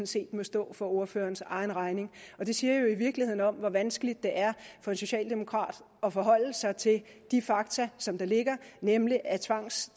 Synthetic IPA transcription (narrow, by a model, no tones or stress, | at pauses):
n̩se̝̰ːd̥mɒ̽sd̥ɔ̰̽ːfɒ̽o̝ɐfø̰ːɐnsɑ̈ɪnʁɑ̈ɪne̝ŋɒ̽d̥e̝siːɐjo̝iʋiɐɡ̥lihe̝ð̰ˠn̩ɒ̽mʋɒ̽ʋænsɡ̥əlid̥̚ːe̝ʔæɐfɒ̽e̝nso̝ɕɛ̰ːld̥e̝mo̝kʰʁɑ̰̈ːd̥ | ɒ̽fɒ̽ɦɒ̽l̰̩sɑ̈ɪt͡sʰe̝l | d̥ifɑ̈ɡ̥t͡sʰæsɒ̽md̥ɑ̈le̝ɡ̥ɐnemliʔæt͡sʰʋɑ̈ŋ̰s